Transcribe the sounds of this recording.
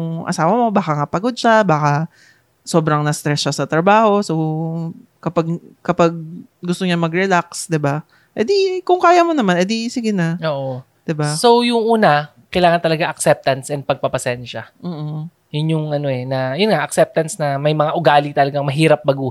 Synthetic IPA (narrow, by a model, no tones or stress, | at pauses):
jʊŋʔɐ̰saːwɐmo̞baːkɐŋapɐɡo̞d̪̚ʃabaːkɐ | so̞ːbɾɐŋnɐst̪ɾɛsʃasɐt̪ɾɐbaːho̞sow | kɐpaɡ̚kɐpaɡ̚ | ɡʊst̪oɲamɐɡɾɛlaksd̪ɪba | ʔɛd̪ikʊŋkaːjɐmo̞nɐmanʔɛd̪isɪɡɪnɐoːʔo | d̪̥ɪbasowjʊŋʔuːnɐ | kɐjlaːŋɐnt̪ɐlɐɡaʔɐksɛp̚t̪ɐnsʔɛn̚pɐɡ̚pɐpɐsɛnʃɐm̩ː | jʊnjʊŋʔɐno̞ʔɛnɐjʊnŋaʔɐksɛp̚t̪ɐnsnɐmɐjmɐŋaʔʊɡaːlit̪ɐlɐɡaŋmɐɦiːɾɐp̚bɐɡu